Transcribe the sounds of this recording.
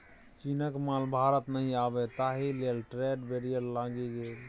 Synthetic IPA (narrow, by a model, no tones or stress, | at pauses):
t͡ʃinəkmalbʱaɾət̪nəɦĩabɛt̪aɦilelʈɾeɖbeɾijəɾlãɡiɡel